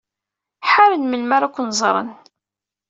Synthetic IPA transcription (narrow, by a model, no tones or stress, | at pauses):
ħaɾənməlmaɾækʷːnzˤɾˤə̰n